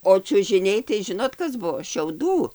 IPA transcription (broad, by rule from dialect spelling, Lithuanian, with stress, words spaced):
oː t͡ʃʲʊʒʲɪˈnʲɛɪ tɐɪ ˈʒʲɪnoːt ˈkɐs ˈbuɔ ʃʲɛʊˈduː